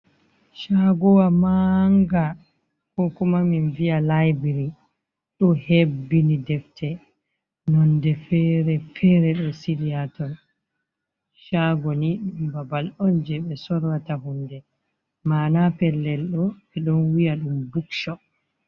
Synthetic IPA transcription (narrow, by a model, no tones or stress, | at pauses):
ʃaɡɔwamaŋɡa | kɔkumaminvialajbiɾi | ɗɔhebːinidɛftʰɛ | nɔndɛfɛɾɛfɛɾɛɗɔsiliatɔn | ʃaɡɔniɗumbabalɔnd͡ʒɛɓɛsɔɾwataɦundɛ | manapɛlːɛlɗɔɓɛɗɔnwijaɗumbukʃɔ